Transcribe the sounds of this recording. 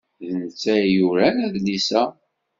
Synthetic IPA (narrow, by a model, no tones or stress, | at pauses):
ðənt͡sːæjuɾænæðlisæ